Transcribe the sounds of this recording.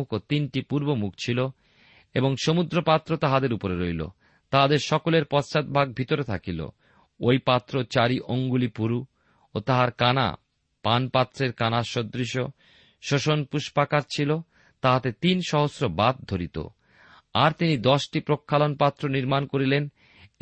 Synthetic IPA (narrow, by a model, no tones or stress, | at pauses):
ukot̪inʈipuɾbomuk̚ʰt͡ɕʰilo | eboŋʃomud̪ɾopat̪ːɾot̪aɦad̪eɾupoɾeɾojlo̰ | t̪aɦad̪eɾʃɔkoleɾpɔt͡ɕat̪̚bʱaɡ̚bʱit̪oɾet̪ʰakilo̰ | ojpat̪ːɾot͡ɕaɾiʔoŋɡulipuɾu | ot̪aɦaɾkana̰ | panpat̪ːɾeɾkanaʃod̪ɾiʃo | ʃoʃonpuʃpakaɾt͡ɕʰilo | t̪aɦat̪et̪inʃɔɦosɾobat̪̚d̪ʱoɾit̪o̰ | aɾt̪inid̪ɔʃʈipɾokʰːalonpat̪ːɾoniɾmankoɾilen